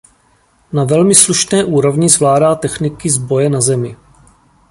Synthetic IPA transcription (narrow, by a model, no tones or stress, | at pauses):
navɛlmɪsluʃnɛːʔuːɾo̞vɲɪzvlaːdaːt̪ɛxnɪkɪzbo̞jɛnazɛmɪ